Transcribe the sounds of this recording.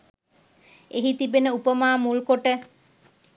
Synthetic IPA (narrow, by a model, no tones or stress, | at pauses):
eɦit̪ibenəupəmaːmulkoʈə